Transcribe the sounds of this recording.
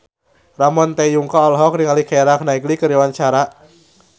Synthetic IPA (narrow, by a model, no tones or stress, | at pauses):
ramɔnt̪ɛjuŋkaɔlɦɔkɾiŋalikɛɾak̚naiɡlikəɾiwant͡ʃaɾa